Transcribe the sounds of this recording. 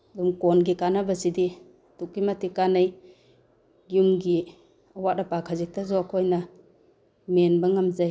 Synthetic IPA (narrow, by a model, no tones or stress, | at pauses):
dumkonɡikanabasidi | tukːimatikanaj | ɡiumɡi | ɐwat̚ɐpakʰazik̚tazoakʰojnɐ | menbɐŋamzaj